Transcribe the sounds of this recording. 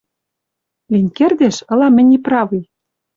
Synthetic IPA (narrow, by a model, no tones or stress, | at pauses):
linʲkerd̪eʃɤ̆lɑmɘ̆nʲiprɑvij